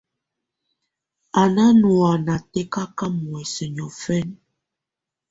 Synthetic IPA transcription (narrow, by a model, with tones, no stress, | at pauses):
a˨na˦nu˨a˨na˨tɛ˦ka˦ka˦mwɛ˨sə˨ɲɔ˨fɛ˦n